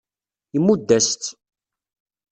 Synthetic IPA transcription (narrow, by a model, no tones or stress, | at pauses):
əmːud̪ːæst̪